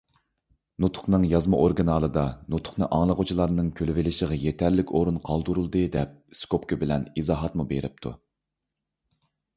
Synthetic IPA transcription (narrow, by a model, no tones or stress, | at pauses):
nut̪ʰʊ̥χnɨŋjɑzmɑʔoɾɡɨnɑlˠɨd̪ɑnut̪ʰʊ̥χnɨʔɑŋlˠəʁot͡ʃʰilˠɑɾnɨŋkʲʰølvɪlɪʃəʁɑjet̪ʰɛɾlɪkʲoɾunqʰɑlˠd̪uɾulˠd̪ɨd̪ɛp̚skopkʰʲɨbɪlɛnizɑːɦɑt̪mubeɾɪp̚t̪ʰṵ